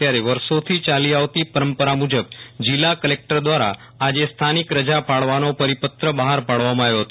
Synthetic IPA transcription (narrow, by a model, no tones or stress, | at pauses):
tjaɾeʋəɾsot̪ʰit͡ʃaliaʋt̪ipəɾəmpəɾamud͡ʒəbd͡ʒilːakəlek̚ʈəɾd̪ʋaɾa̰ː | d͡ʒest̪ʰanikɾəd͡ʒapaɭʋanopəɾipət̪ɾəbəɦaɾpaɭʋamãaʋjoɦət̪